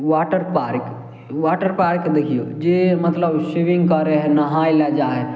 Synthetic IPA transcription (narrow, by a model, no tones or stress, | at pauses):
ʋaːʈəɾpaːɾk | ʋaːʈəɾpaːɾkd̪ekʰijod͡ʒeːmɐt̪ləbʃiʋɪ̃ŋɡkəɾeɦɛnɐɦaːilad͡ʒaːɦɛ